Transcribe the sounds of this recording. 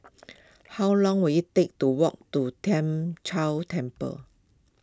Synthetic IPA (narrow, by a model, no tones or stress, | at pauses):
hawlɔ̃ŋwiit̪ek̚tuwɔk̚tutʰɛ̃mt͡ʃʰawtʰɛ̃mpə̰